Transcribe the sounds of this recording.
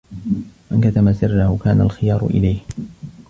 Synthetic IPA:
mankat̪amasɪrːahʊkaːna̰lxɪjɑːɾˤʊ̰ʔɪ̰lajh

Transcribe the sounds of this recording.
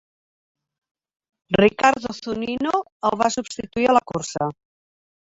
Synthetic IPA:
rikaɾðoθunino | əlˠβasubst̪it̪uiələkuɾsə

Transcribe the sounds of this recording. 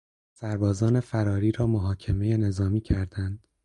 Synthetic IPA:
sæɾbɒːzɒːne̞fæɾɒːɾiːɾɒːmoɦɒːcʰe̞me̞je̞ne̞zɒːmiːcʰæɾd̪̥ænd̪̥

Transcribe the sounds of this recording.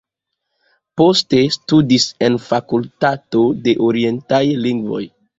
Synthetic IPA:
poste̞studise̞nfakultato̞de̞ʔoɾie̞ntajliŋɡvo̞̰j

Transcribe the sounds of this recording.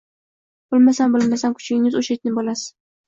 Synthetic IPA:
b̥ʊlˠmasanbolˠmasankʰʊ̥t͡ʃʰʲɪŋɪzoʃat̪̚ɪnɪbɒlasɪ̥

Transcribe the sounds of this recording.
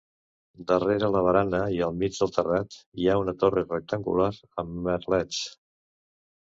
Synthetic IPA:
d̪əreɾələβ̞əɾanəiəlˠmid͡ʒðəlˠt̪ərat̪iaunət̪orərək̚t̪əŋɡṵlaɾəmːəɾlɛt͡s

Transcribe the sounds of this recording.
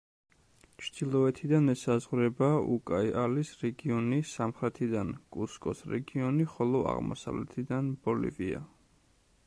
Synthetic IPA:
t͡ʃʰd̪̥ilˠɔɛt̪ʰid̪anɛsazʁɾɛbaukʼaialisɾɛɡiɔnisamχɾɛt̪ʰid̪ankʼuskʼɔsɾɛ̰ɡiɔniχɔlˠɔa̰ʁmɔ̰sa̰vlɛ̰t̪ʰid̪anb̥ɔlḭvia̰

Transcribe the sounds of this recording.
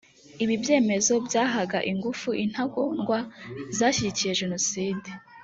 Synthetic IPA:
iβibje̞ːme̞zo̞bjaːɦaɡaʔiŋɡufuʔin̥haɡonɡwazaːɕiɟicije̞ʒe̞no̞siːde

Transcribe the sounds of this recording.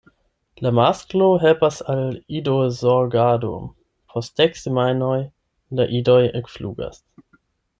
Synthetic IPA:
lamaskloɦelpasalidozoɡado̰ | pʰost̚deksemajnoj | laʔidojekflṵːɡa̰s

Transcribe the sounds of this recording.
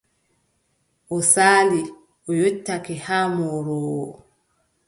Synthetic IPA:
ʔɔsaːli | ʔɔjotːakɛhaːmɔːɾɔːwɔ̰

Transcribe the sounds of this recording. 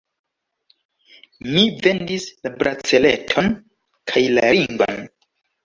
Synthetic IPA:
mive̞ndislabɾat͡sele̞tʰon | kʰajlaɾiŋvo̰n

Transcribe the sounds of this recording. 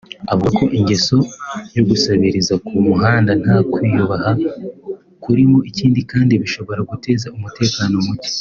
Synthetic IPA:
aβokʰo̞ʔiɲɟe̞so̞jo̞ɡusaβiɾizakumuɦaːndan̥hakwiːjuβaha | kuɾimo̞ʔiciːndikaːndiβiʃo̞βo̞ɾaɡute̞ːzaumute̞ːkaːno̞muce̥

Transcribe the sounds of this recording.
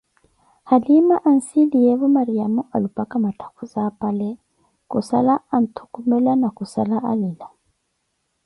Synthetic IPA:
halimaʔan̩sidijɛβɔmaɾiamuʔalupʼakʼamatʰḁkʰuzapʼalɛ | kusa̰laan̩t̪ʰu̥kumɛlanakusalaʔalila

